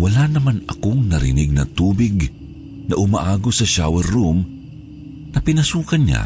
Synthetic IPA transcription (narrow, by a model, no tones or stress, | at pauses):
wɐlanɐmanɐ̰koŋnɐɾɪ̰nɪɡ̚nɐ̰t̪uːbɪɡ | nɐʔʊmaʔaːɡosɐʃawɛɾːum | nɐpɪnɐsuːkanɲa̰